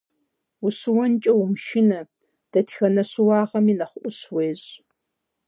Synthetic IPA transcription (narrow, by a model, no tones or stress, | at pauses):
ʊɕɨwɐnt͡ʃʼɐwʊmʃɪnɐ | d̥ɐtʰxɐnɐɕɨwɑːʁɐminɐχʷʊʔʷʊɕweːʑ